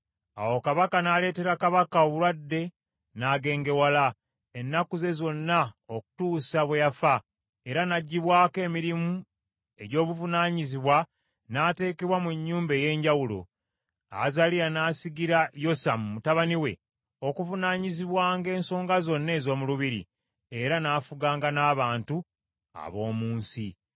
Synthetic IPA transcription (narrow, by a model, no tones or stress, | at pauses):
a̰wo̞kaβakanale̞ːte̞ɾakaβakao̞βulwadːe̞ | naɡe̞ːŋɡe̞wala | enːakuze̞zo̞nːaoku̥tuːsaβwejafa | eɾanaɟːiβwaːke̞ːmiɾimu | e̞ɟo̞ːβuvunaːɲiziβwa | nate̞ːke̞βwamuɲːuːmbe̞je̞ːɲɟawulo̞̰ | a̰zalijanaːsiɡiɾajo̞samumutaβaniwe̞̰ | o̞kuvunaːɲiziβwaːŋɡe̞ːnso̞ːŋɡazo̞nːe̞ːzo̞ːmuluβiɾḭ | e̞ɾanaːfuɡaːŋɡanaːβaːntu | a̰βo̞ːmuːnsi